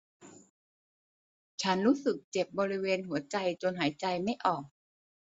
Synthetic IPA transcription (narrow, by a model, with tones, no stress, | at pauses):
t͡ɕʰa˦˥nɾuː˦˥sɯ˨˩k̚t͡ɕe˨˩p̚bɔː˧ɾi˦˥weː˧nɦu˨˩˦ɐt͡ɕa˧jt͡ɕo˧nɦaː˩˦jt͡ɕa˧jma˥˩jʔɔː˨˩k̚